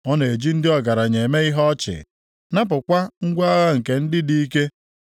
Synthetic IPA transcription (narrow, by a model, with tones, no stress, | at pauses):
ɔ˦ne˨e˨d͡ʒi˦n̩˦dɪ˦ɔ˨ɡa˨ɾa˨ɲe˨me˦i˦ɦɔ˦t͡ʃɪ̰˨ | na˦p̬ʊ˨kʷa˦ŋ̩˦ɡʷa˦ɣa˦ŋ̩˨ke˨n̩˦dɪ˦di˦i˦ke˦